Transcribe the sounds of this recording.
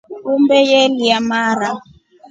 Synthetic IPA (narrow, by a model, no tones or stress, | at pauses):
umbɛjɛliamaːɾa